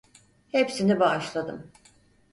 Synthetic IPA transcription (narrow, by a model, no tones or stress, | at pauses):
hepsinibaːʃlˠad̪ɯ̰m